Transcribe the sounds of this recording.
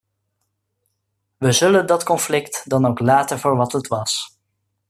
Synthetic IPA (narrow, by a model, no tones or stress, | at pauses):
ʋəzɵləndɑtkɔnflɪktdɑnowklaːtəvoːɹʋɑtɦətʋɑs